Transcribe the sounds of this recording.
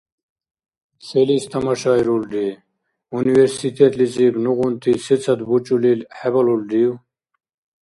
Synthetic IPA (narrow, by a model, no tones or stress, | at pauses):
selist̪ɐmɐɕaːiɾuld̪i | uniʋeɾsit̪ʰet̪lit͡sibnuɣunt̪isit͡sʰɐt̪but͡ɕulilħebɐlulɖ̪iw